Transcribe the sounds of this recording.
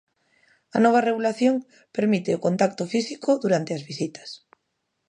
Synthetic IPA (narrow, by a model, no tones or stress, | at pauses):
ɐnɔβ̞areɣulaθjoŋ | peɾmit̪eokont̪ak̚t̪ofisikoðuɾant̪eazβisit̪ḁs